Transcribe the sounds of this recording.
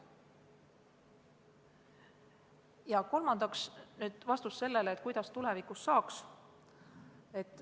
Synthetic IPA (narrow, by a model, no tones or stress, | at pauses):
jɑko̞lmɑnd̪̥ɑksnyːd̪̥vɑst̪usse̞lːe̞leet̪ːˑkujd̪ɑst̪ule̞vikˑusːɑːks | e̞t̪ˑː